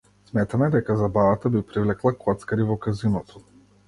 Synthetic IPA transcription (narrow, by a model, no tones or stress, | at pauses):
smɛt̪amɛd̪ɛkazabavat̪abipɾivlɛklˠakɔt̪skaɾivɔkazinɔt̪ʰɔ̥